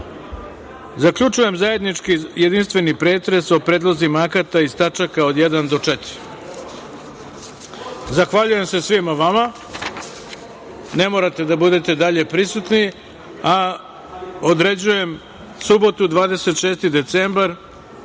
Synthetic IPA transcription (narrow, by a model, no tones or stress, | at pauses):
zakʎut͡ʂuje̞mzaje̞d̪nit͡ʂkijed̪inst̪ʋe̞nipɾe̞ːt̪ɾe̞so̞pɾeːd̪lˠozimaakat̪aist̪at͡ʂakaod̪jed̪and̪o̞t͡ʂet̪i̥ɾ | zaxʋaʎuje̞mse̞sʋimaʋama | ne̞mo̞ɾat̪e̞d̪abud̪e̞t̪e̞d̪aʎe̞pɾisut̪ni | a | o̞d̪ɾe̞d͡ʑuje̞m | subo̞t̪ud̪ʋaːd̪e̞set̪ʃe̞ːst̪id̪e̞t̪sembaɾ